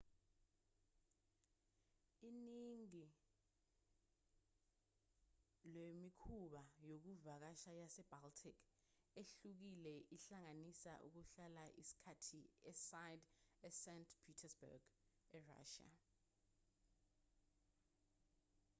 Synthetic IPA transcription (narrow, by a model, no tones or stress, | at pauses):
iniŋi | lemikʰuɓajok̬uvak̬aʃajasɛb̥altʰikʰ | eɬuk̬ilɛʔiɬaŋanisa̰ʔṵk̬uɬalaʔisi̥kʰatʰiɛsajdɛsɛntʰpʰitʰɛsbɛ̰ɡ̥ɛra̰ːʃa̰